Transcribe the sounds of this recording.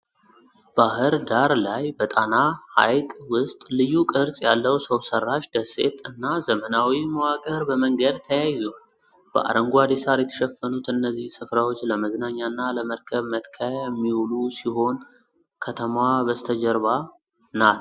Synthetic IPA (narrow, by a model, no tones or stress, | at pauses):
b̥ahɨɾd̪aɾlajbət̪ʼanaha̰jkʼwʊst̪ʼlɨjːukʼɨɾsʼjalːəwsəwsərːaʃd̪əse̞̰t̪ɨnːazəmənawiməwakʼəɾbəməŋɡəd̪t̪ʰəjajɪzon | b̥ə̰ʔa̰ɾəŋɡwad̪esaɾjɛt̪ʰə̥ʃɛfːənut̪ɨnːəzːihsɨfɾawot͡ʃːləməznaɲːanːaləməɾkʰəβmət̪kʰəjɛmːiwulusiho̞n | kʰət̪ʰəmwabəst̪ʰəd͡ʒəɾβa | nat̪